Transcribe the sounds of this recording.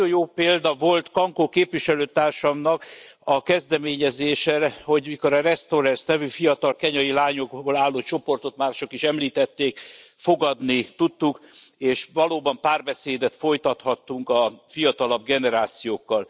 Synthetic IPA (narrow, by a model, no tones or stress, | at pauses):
ojjoːpeːld̪ɒvo̞lt̪kɒŋkokeːpʋiʃɛløːt̪aːrʃɒmnɒkɒkɛzd̪ɛmeːɲɛzeːʃɛɾho̞ɟmiko̞ɾɒrɛst̪oɾɛrsnɛvyfijɒt̪ɒlkɛɲɒjilaːɲoɡbolaːlːoːt͡ʃo̞po̞rt̪o̞t̪maːrʃo̞kiʃɛmliːt̪ɛt̪ːeːkfo̞ɡɒd̪nit̪ut̪ːukeːʃʋɒloːbɒmpaːrbɛseːd̪ɛt̪fo̞jt̪ɒt̪hɒt̪ːuŋkɒfijɒt̪ɒlɒb̚ɡɛnɛɾaːt̪sijoːkːɒl